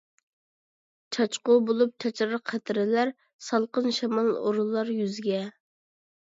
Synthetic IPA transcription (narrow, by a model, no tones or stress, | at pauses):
t͡ʃʰɑt͡ʃqʊbolˠup̚t͡ʃʰɛt͡ʃɾəqʰːæt̪ʰɪɾɪlæɾ | sɑlˠqənʃɛmɑlˠo̰ɾulˠːɑɾjyzɡʲɛ